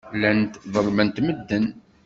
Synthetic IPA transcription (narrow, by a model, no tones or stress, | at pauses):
lænt̪ðˤəɾˤmənt̪məd̪ːən